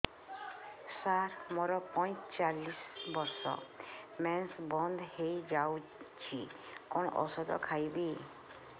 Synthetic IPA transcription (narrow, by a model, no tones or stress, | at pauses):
saɾmɔɾɔpɔj̃t͡ʃalisbɔɾsɔ̰mɛnsbɔnd̪ʱhejd͡ʒawt͡ʃʰi | kɔɳ̃ɔʔɔ̰sɔd̪ɔ̰kʰajbi